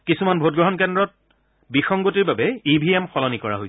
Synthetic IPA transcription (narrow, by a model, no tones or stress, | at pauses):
kisumanbʱot̚ɡɹɔɦɔnkɛndɹɔt̚ | bixɔŋɡotiɹbabɛibʱiɛmxɔlɔnikɔɹa̰ɦojs